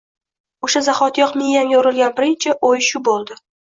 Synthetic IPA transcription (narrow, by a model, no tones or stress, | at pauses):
oʃazaχɒt̪jɒqmejamjoɾɪlˠɡʲanbɪɾɪnt͡ʃʰɪʔojʃʊbolˠd̪ɪ